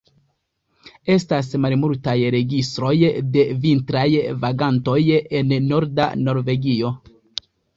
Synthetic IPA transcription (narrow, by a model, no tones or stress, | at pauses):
e̞stas̬malmultajɾe̞ɡistɾo̞jde̞vintɾajvaɡanto̞je̞nːo̞ɾda̰no̞ɾve̞ɡio̞